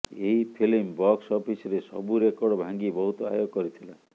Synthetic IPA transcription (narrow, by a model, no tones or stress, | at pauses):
eɦipʰilimbɔksɔpʰisɔɾesɔ̰buɾekɔɽɔbʱaŋɡibɔɦut̪ɔa̰joɡkɔɾit̪ʰila